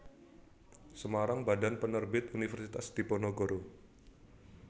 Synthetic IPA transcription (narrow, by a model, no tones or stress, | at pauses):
səmaɾaŋbadanpənərbɪt̪unifərsit̪asd̪̥iponoɡoɾo